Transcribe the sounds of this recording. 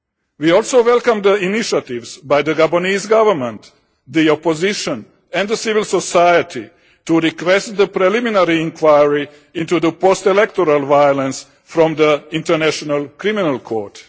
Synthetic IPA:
wiɔlˠsoːʋɛlˠkãmd̪əiniʃat̪iʋzbajd̪əɡaboniːzɡaʋəɾmɛ̃nt̪ | d̪iɔpoziʃɔ̃n | ɛ̃nd̪əsivɪlsɔsajət̪ʰi | tuɾikʋɛst̪̚d̪əpɾɛliminaɾiĩŋkʰwajɹi | ĩnt̪ud̪əpɔst̪ɛlɛkt̪ɔɾalʋajolə̃ns | fɾɔ̃md̪əĩntəɾnæʃɔnalˠkɾiminalˠkʰɔːɹt

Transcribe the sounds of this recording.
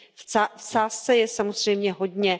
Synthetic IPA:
ft͡saːst͡sɛjɛsamozr̝ɛjmɲɛɦo̞dɲɛ

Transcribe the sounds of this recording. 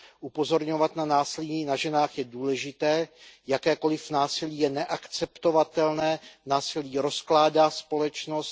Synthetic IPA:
ʔupo̞zo̞ɾɲo̞vat̪nanaːsɪliːnaʒɛnaːxjɛduːlɛʒɪt̪ɛːjakɛːko̞lɪfnaːsɪliːjɛnɛʔakt͡sɛpt̪o̞vat̪ɛlnɛːnaːsɪliːɾo̞sklaːdaːspo̞lɛt͡ʃnost̪

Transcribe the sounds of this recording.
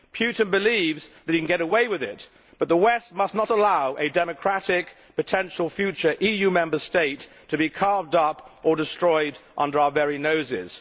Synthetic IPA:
pʰj̥ʉʔn̩bɨlivzðɨt̚hikn̩ɡɛɾəweɪwɨðɪ̰t̚ | b̥ʌt̪̚ðəwɛst̚mʌsnəɾəlaʊʔɨdɛmɨkʰɹ̥æɾɪk | pɨtʰɛ̃nʃl̩ˠfjʉt͡ʃə˞ʔijʉmɛ̃mbəsteɪtʰ | ɨbikʰɑɹvdʌpə˞dɨstɹ̥ɔɪɾʔʌ̰̃ndə˞aʊə˞vɛɹinoʊzɪ̰z̥

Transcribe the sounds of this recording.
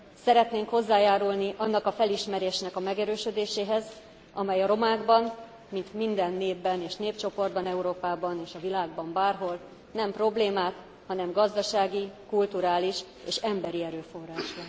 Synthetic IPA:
sɛɾɛt̪neːŋkho̞zːaːjaːɾulniʔɒnːɒkɒfɛliʃmɛɾeːʃnɛkɒmɛɡɛɾøːʃød̪eːʃeːɦɛz | ʔɒmɛjɒɾo̞maːɡbɒn | mint̪mind̪ɛnːeːbːɛneːʃneːpt͡ʃo̞po̞rd̪bɒnɛuɾoːpaːbɒneːʃɒvilaːɡbɒmbaːrɦo̞l | nɛmpro̞bleːmaːt̪ | hɒnɛmɡɒzd̪ɒʃaːɡikult̪uɾaːliʃ | ḛːʃɛmbɛɾiɛɾøːfo̞rːaːʃbɒn

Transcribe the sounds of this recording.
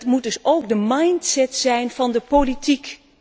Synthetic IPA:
tmudɵsowɡ̚dəmɑjntsɛtsɛjnv̥ɑndəpolitik

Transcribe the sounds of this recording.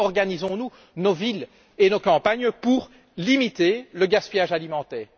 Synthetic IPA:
ɔʁɡanizɔ̃nu | novil | enokɑ̃paɲpuʁ | limit̪eləɡaspijaʒalimɑ̃t̪ɛːʁ

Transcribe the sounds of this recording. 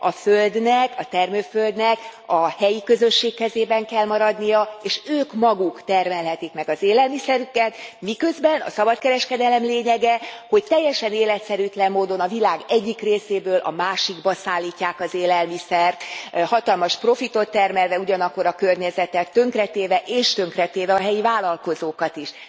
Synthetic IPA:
ɒføld̪nɛkɒt̪ɛrmøːføld̪nɛkɒhɛjikø̞zø̞ʃːeːkːɛzeːbɛŋkɛlmɒɾɒd̪nijɒeːʃøːkmɒɡukt̪ɛrmɛlɦɛt̪ikmɛɡɒzeːlɛlmisɛɾykɛt̪mikø̞zbɛnɒ̰sɒbɒt̪kɛɾɛʃkɛd̪ɛlɛmleːɲɛɡɛho̞ct̪ɛjːɛʃɛneːlɛt̪sɛɾyːt̪lɛmːoːd̪o̞nɒvilaːɡɛɟːikreːseːbøːlʔɒ̰maːʃiɡbɒsaːlːiːcːaːkɒzeːlɛlmisɛrt̪hɒt̪ɒlmɒʃpro̞fit̪o̞t̪ːɛrmɛlvɛuɟɒnɒkːo̞ɾɒkørɲɛzɛt̪ɛt̪ːø̞ŋkrɛt̪eːvɛʔeːʃt̪øŋkrɛt̪eːvɛɒɦɛjivaːlɒlko̞zoːkɒt̪iʃ

